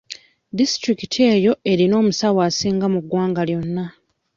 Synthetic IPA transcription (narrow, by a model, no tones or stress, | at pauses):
distɾikitʰie̞ːjo̞e̞ɾino̞ːmusawaːsiːŋɡamuɡːwaːŋɡaljo̞nːa